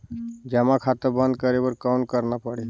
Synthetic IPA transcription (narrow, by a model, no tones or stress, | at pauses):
d͡ʒəmakʰat̪əɾbə̃nd̪̚kəɾebəɾkawnkəɾnapəɽi